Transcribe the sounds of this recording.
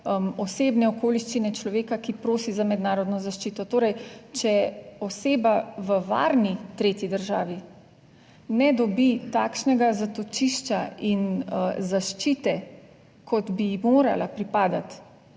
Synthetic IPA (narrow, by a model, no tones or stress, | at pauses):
mɔseːbnɛɔkoːliʃt͡ʃinɛt͡ʃlɔʋeːkakipɾoːsizamɛd̪naːɾɔd̪nɔzaʃt͡ʃiːt̪ɔt̪oːɾɛjt͡ʃɛɔseːbaʋəʋa̰ːɾnit̪ɾeːt̪id̪əɾʒaːʋi | nɛd̪ɔbit̪aːkʃnɛɡazat̪ɔt͡ʃiʃt͡ʃainzaʃt͡ʃiːt̪ɛ | kʰɔd̪bimoːɾa̰lapɾipaːd̪at̪